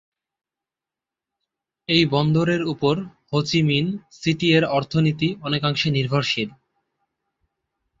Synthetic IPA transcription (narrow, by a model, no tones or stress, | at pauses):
ejbɔnd̪oɾeɾupoɾhot͡ɕiminsiʈieɾɔɾt̪ʰonit̪iɔnekaŋʃeniɾbʱoɾʃiɾ